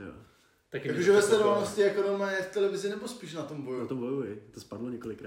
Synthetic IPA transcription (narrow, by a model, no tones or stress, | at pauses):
jo̰ | t̪akakoʒɛvɛst̪ɛdovalnoscɪɛkonomɛɛft̪ɛlɛvɪzɪnɛbospiːʃnat̪o̞mbojuat̪ombojuɪt̪ospadloɲɛkolɪkɾa